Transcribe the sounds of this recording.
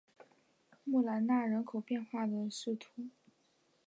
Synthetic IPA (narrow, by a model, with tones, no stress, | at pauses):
mu˥˩la˧˥nna˥˩ɻə˧˥nkʰo˨˩ʊpjɛ˥˧nxwa˥˩d̪ə˩ʂɻ̩˥˩t̪ʰu˧˥